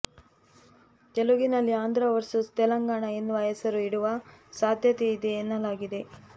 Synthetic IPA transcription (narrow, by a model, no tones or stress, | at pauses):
t̪eluɡinɐlːiaːnd̪ɾɐʋɐɾsust̪ɛlɐŋɡaːɳɐend̪uʋɐjɐsɐɾuiɽuʋɐsaːd̪ʱjɐt̪eid̪e̞ːnːɐlaːɡid̪e̞